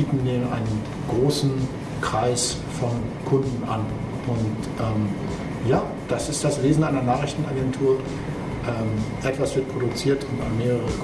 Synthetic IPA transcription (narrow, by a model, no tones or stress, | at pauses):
iːtn̩deːnʔa̰ɪnən | ɡ̥ʁoːsn̩ | kʁ̥aɪs | fɔnkʰʊndn̩ʔa̰nʔʊnt | ʔɛːm | jaː | d̥asɪstd̥asveːzn̩ʔaɪnɐnaːχɪçtn̩ʔaɡɛntʰuːɐ | ʔɛːmʔɛtv̥asv̥ɪɐt̚pʁ̥odut͡siːɐtʰʊnta̰nmeːʁəʁə